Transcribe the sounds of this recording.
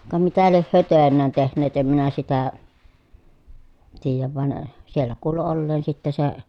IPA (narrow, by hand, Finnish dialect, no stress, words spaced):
kɑ mitæ lieh hyø tøˑenˑæːn tehnˑeːt em minæ sitæ tiːjæʋ ʋɑn sielːæ kuːlu olːeːn sitːe se